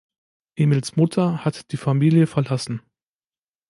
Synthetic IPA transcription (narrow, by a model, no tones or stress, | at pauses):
ʔeːmilsmʊtʰɐhatd̥iːfamiːljəfɛɐlasn̩